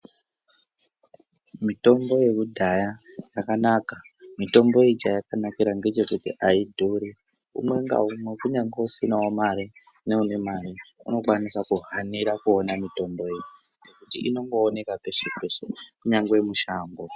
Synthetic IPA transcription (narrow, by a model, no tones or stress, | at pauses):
mito̞mbo̞je̞kudʱaja | jakanaːka | mito̞mbo̞id͡ʒajakanakiɾaŋɡe̞t͡ʃe̞kutiʔaidʱuɾi | ṵmwe̞ŋɡa̰umwe̞kuɲaŋɡeusinawamaɾi | ne̞une̞maɾiṵno̞kwanisakuɦaniɾakuonamito̞mbo̞jeɲ | ŋɡe̞kutḭʔino̞ŋɡo̞ːne̞kape̞ʂepe̞ʂekuɲaŋɡe̞muʃaːmbo̞